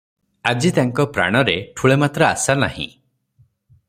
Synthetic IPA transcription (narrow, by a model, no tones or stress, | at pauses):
ad͡ʒit̪aŋkɔpɾa̰ɽ̃ɔɾeʈʰuɭemat̪ɾɔa̰sana̰hḭ̃